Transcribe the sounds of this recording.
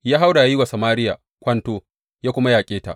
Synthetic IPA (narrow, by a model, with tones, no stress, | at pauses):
jaː˦ɦa˦wda˨ja˦jɪ˦wa˨sa˨maː˦ɾɪ˦ja˨ | kʷɐ˦ntoː˦ | jaː˦kʷʊ˦ma˦jaː˨kʲʼeː˦ta̰˨ʔ